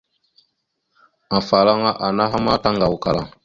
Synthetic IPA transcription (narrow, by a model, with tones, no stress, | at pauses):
ã˨fa˨lã˦ŋa˦ʔa˨na˦ɦa˦ma˦tã˦ŋɡa˨o˨ka˨lã˨